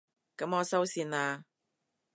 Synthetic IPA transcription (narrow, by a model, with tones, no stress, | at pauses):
kɐ˨˥mɔː˨˧sɐ˥wsiː˧naː˧